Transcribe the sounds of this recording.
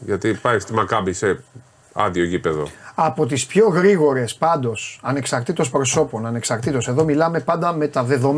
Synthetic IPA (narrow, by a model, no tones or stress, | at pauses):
ʝɐt̪ipɐjɐst̪imɐkɐbise̞ | ɐ̰ðioʝipe̞ðoɐpo̞t̪ispço̞ɣɾiɣo̞ɾe̞spɐnd̪o̞sɐne̞ksɐɾt̪it̪o̞spɾo̞so̞po̞nɐne̞ksɐɾt̪it̪o̞se̞ðo̞milɐme̞pɐnd̪ɐme̞t̪ɐðe̞ðo̞m